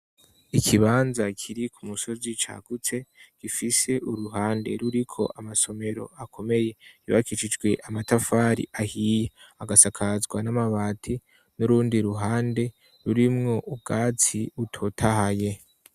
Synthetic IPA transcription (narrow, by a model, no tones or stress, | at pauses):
ikʰiβaːnzakʰiɾikʰumuso̞zit͡ʃa̰ɡ̥ut͡se̞ɡ̥ifise̞ʔuɾuɦaːnde̞̰ɾuɾikʰo̞̰ʔamaso̞me̞ɾo̞̰akʰo̞me̞je̞iβa̰kit͡ʃid͡ʒɡwe̞ʔamatafaːɾḭʔahiːjeaɡasakʰazɡwanamaβaːtʰi | nuɾuːndiɾuɦaːnde̞ | ɾuɾimŋo̞ʔub̚ɡaːt͡siutʰotʰahaje̞